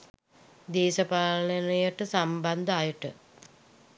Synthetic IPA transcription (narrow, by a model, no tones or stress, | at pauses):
d̪eːsəpaːlənəjəʈəsamband̪əajəʈə